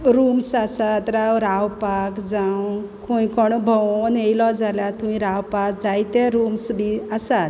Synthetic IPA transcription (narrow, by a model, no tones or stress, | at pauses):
ɾumsasat̪ɾawɾawpakd͡zaw | kujkɔɳ̃ubʱəwnejlɔd͡zalat̪umĩɾawpak̚d͡zajt̪eɾumsbʱiəsat̪